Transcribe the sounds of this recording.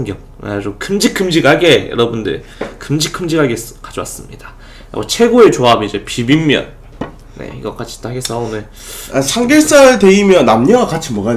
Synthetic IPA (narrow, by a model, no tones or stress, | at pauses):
ŋɡjʌŋ | a̰d͡ʑokʰɯmd͡ʑik͈ʰːɯmd͡ʑiɡɦaɡe̞jʌ̰ɾʌbundɯ̰ɭ | kɯmd͡ʑikʰɯmd͡ʑiɡɦaɡeskad͡ʑowa̰s͈ɯmɲid̥ḁ̰ | ɡot͡ɕʰe̞ɡoet͡ɕoabid͡ʑe̞pibimːjʌ̰n | nḛḭɡʌk͈at͡ɕʰi̥t͈aaɡes͈ʰʌonɯ | asʰaŋɡes͈aɯɭte̞imjʌnːamɲʌwakat͡ɕʰimwʌɡa